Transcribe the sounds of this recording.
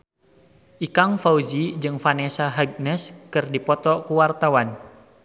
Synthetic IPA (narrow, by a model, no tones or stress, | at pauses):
ʔikaŋfaud͡ʒid͡ʒɨŋfanɛsaɦaɡ̚nɛskɨrdipɔt̪ɔkuwart̪awan